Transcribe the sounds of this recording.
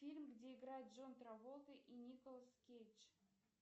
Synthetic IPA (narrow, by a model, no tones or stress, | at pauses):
fʲilʲmɡdʲe̞ɪɡɾajɪt̪̚ʐont̪ɾavolˠt̪ʲəʔinʲikolˠəskʲejt͡ɕ